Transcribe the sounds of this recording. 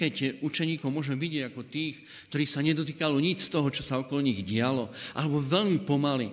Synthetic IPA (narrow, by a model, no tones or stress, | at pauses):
kɛcut͡ʃɛɲiːkɔʊmʊɔʒɛmʋiɟɪɛɟakɔt̪iːxk | kt̪ɔɾiːxsaɲɛd̪ɔt̪̬iːkalɔɲit͡ʃst̪ɔɦɔt͡ʃɔsaɔkɔlɔɲiɣɟɪalɔʔa̰lɛbɔʋɛʎmipɔmalḭ